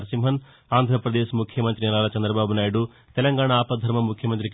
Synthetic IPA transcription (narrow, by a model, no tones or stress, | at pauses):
ɾsimɦɐn | aːnd̪ʱɾɐpɾɐd̪eːʃmukʰjɐmɐnt̪ɾinɐlaːlɐt͡ʃɐnd̪ɾɐbaːbunaːjɽu | t̪ɛlɐŋɡaːɳaaːpɐd̪ʱɐɾmɐmukʰjɐmɐnt̪ɾik